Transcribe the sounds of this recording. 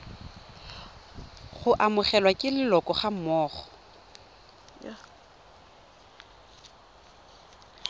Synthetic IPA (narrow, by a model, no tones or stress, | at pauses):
χʊʔamʊχɛlwakʼɪlɪlɔkʼɔχam̩mɔːχɔ̥